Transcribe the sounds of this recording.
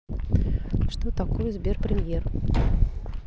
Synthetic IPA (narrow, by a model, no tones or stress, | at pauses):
ʂt̪ot̪akojəzʲbʲerpɾʲɪmʲjer